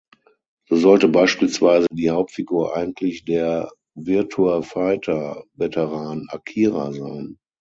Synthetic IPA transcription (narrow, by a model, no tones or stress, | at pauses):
z̥oːzɔltəbaɪʃpiːlsv̥aɪzədiːhaʊp̚tfiɡuːɐʔa̰ɪɡŋ̩tʰlɪçd̥eːɐ | vɪɐtʰuafaɪtʰɐvɛtʰəʁaːna̰kʰiːʁa̰za̰ɪn